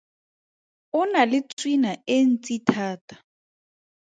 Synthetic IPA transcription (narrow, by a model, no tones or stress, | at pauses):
ʊnalɪt͡sʼwinaen̩t͡sʼitʰaːtʼḁ